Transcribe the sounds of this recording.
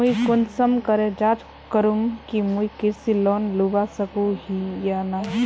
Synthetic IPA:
muikʊnsəmkəɾed͡ʒaːd͡ʒ | kəɾuŋkimuikɪɾsilɔːnlubasəkuɦijana

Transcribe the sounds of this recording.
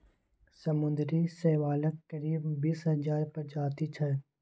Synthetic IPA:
sɐmʊ̃nd̪ɾiseːʋaːləkkɐɾiːbːiːsɦɐzaːɾpɐɾd͡ʒaːt̪it͡ʃʰɐ

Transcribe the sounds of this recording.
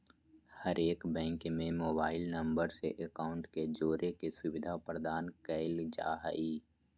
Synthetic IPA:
həɾeːkbɛ̃ːŋkmẽmoːbaːɪlnɐ̃mbəɾseʔəkaːʊ̃ɳʈked͡ʒoːɾʔekesʊʋɪd̪ʱapɾəd̪aːnkɛɪld͡ʒa̰ːɦəiː

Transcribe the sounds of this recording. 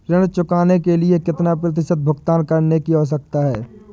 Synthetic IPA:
ɾɪɽ̃t͡ʃʊkaːnekeliekɪt̪nap̬ɾɐt̪̬ɪʃət̪̚bʱʊɡt̪aːnkɐɾnekiɦoːs̬ɐk̚t̪aɦɛː

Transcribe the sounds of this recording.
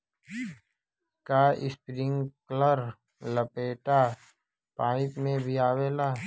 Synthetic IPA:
kaːʔɪspɾɪŋɡkləɾ | ləpeːʈa | paːɪ̃pmẽbʱiaːweːlaː

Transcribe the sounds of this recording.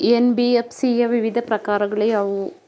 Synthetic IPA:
enbiefsijɐʋiʋid̪ʱɐprɐkaːɾɐɣɐɭɐjɐʋu

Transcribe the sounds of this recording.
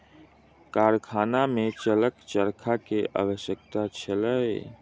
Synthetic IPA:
kaːɾkʰaːnamẽt͡ʃələkt͡ʃəɾkʰakea̰ːwəʃjəkt̪at͡ʃʰəlae

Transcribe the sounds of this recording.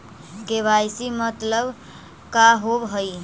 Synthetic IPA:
keβajsimət̪ləb | kaɦobɦəj

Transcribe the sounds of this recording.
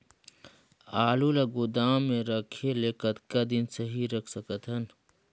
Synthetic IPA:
aːlulaɡʊd̪aːmːẽɾəkʰeleːkət̪kad̪insəɦiɾəkʰsəkət̪ɦɐn

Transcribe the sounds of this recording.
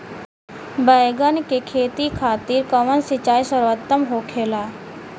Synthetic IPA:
bəjɡənkekʰeːt̪ikʰaːt̪iːɾkɐʋənsɪt͡ʃaːjsəɾʋət̪ːəmɦoːkʰeːlaː

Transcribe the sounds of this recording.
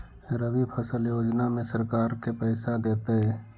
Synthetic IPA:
fɪɾəbipʰəsəljoːd͡ʒnamẽsəɾkaːɾkepɛːsad̪eːt̪eɦɛː

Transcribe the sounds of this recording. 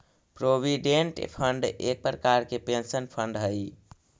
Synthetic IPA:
pɾobiɖeɳʈpʰəɳɖek̚pɾəkaɾkepensənpʰəɳɖɦəj

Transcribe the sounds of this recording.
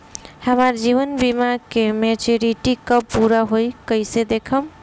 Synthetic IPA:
həmaɾd͡ʒiβənbimakemet͡ʃuɾiʈikəpuɾaɦojkəjsed̪ekʰəm

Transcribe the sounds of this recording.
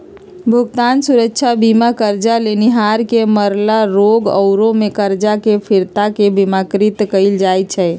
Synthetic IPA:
bʱuɡt̪ansuɾəkːt͡ʃʰabimakəɾd͡ʒaleniɦaɾkeməɾlaɾoɡə̰ʊɾõmekəɾd͡ʒakepʰiɾt̪akebimakɾit̪kəɪld͡ʒajt͡ʃʰɛ

